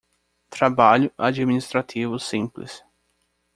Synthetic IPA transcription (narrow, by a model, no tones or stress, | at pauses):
t̪ɾabaʎʊʔad͡ʒiminist̪ɾat̪ʰivʊsĩplɪ̰s